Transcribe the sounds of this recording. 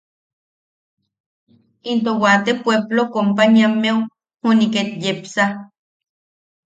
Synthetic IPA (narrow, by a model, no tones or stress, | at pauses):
int̪owat̪epweblokompaɲiamːew | huniket̪jepsa